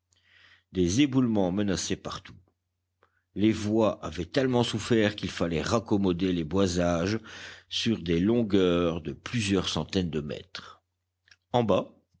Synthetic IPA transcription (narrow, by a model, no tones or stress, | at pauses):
d̪ezebulmɑ̃mənasɛpaʁt̪u̥ | levwaʔavɛt̪ɛlmɑ̃sufɛʁkʲilfalɛʁakɔmɔd̪elebwazaʒsyʁd̪elɔ̃ɡœʁd̪əplyzjœʁsɑ̃t̪ɛnd̪əmɛ̰t̪χ | ɑ̃ba